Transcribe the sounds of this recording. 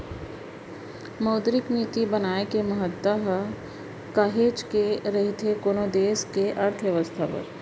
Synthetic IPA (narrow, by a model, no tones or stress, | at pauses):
mɐʊd̪ɾɪkniːt̪ibɐnaːekemɐɦət̪ːaɦ | kaːɦeːd͡ʒkeɾɐɦit̪ʰekoːnoːd̪eːskeʔɐɾt̪ʰʋjɐʋəst̪ʰapɐ̰ɾ